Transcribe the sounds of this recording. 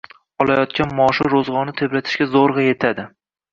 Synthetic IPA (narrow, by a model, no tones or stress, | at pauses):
ɒlˠajɒt̪kʲanmɒʃɪɾozʁɒnɪt̪ʰebɾat̪ʰɪ̥ʃkʲazoɾʁɑje̞t̪ʰad̪ɪ